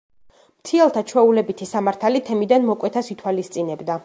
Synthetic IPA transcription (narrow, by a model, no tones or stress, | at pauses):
mt̪ʰiɛlˠt̪ʰat͡ʃʰwɛulɛbit̪ʰisamaɾt̪ʰalit̪ʰɛmid̪anmɔkʼwɛt̪ʰasit̪ʰwalist̪sʼinɛbd̪a